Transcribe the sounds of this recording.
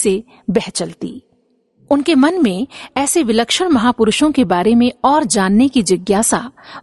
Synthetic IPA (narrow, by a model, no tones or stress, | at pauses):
se | bɛɦt͡ʃəlt̪ḭː | ʊnkemɐnmẽɛːseʋɪləkʃəɽ̃mɐɦaːpʊɾʊʃõkebaːɾemẽɔːɾd͡ʒaːnːekid͡ʒɪɡjaːsa